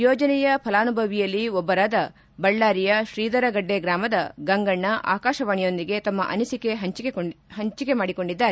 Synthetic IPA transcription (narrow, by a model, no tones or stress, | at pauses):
jɔːd͡ʒɐnɛjɐpʰɐlaːnubʱɐʋijɐlːiɔbːɐɾaːd̪ɐ | bɐɭːaːɾijɐʃɾiːd̪ɐɾɐɡɐɖːeɡɾaːmɐd̪ɐɡɐŋɡɐɳːɐʔa̰ːkaːʃɐʋaːɳijo̞nd̪iɡe̞t̪ɐmːɐ̰ʔɐ̰nisike̞ɦɐt͡ʃeɦɐɲt͡ʃike̞maːɽiko̞ɳɖid̪ːaːɾe